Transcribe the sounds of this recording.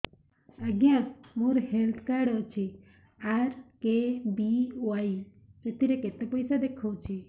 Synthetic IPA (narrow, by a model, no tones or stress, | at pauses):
əɡjãmũɾhelt̪ʰkaɖɔt͡ʃʰi | aɾkebioaji | et̪iɾeket̪epəjsad̪ekʰowt͡ʃʰi